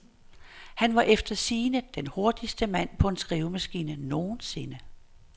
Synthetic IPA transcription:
hænʋɑ̈ʔefd̥ɐsiːnəd̥enho̝ɐd̥isd̥əmæn̰pʰɒ̽ensɡ̥ʁiʊmæsɡ̥iːnəno̝ːnse̝nə

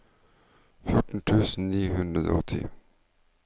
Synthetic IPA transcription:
fjʊʈɳ̩ʈ̪ʰʉːsn̩niːhʉnd̪ɾəd̪o̰ɔt̪ʰːɪ̰

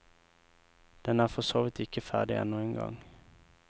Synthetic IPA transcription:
d̪̥ɛnæːʁfɔsoːʋɪt̪ɪkəfæ̰ːɖɪʔɛ̰nːuːɛŋɡɑ̰ŋ

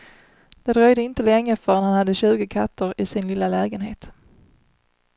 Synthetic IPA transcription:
d̪̥ɛd̪ɾœjd̪əɪnt̪əlɛŋːəfœɾɛnhanhad̪ːəɕʉ̟ːɡəkʰat̪ːʊɾɪsɪnlɪlːalɛːɡənɦeːt̪

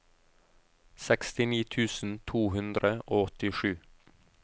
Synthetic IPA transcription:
sɛkst̪ɪniːt̪ʰʉːsn̩t̪ʰuːhʉnd̪ɾəʔoːɔt̪ɪʃʉː

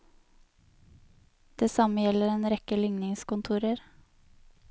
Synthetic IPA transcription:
d̪̥eːsɑməjɛləɾeːnɾɛkəlʏŋnɪŋskʊnt̪ʰuːɾəɾ

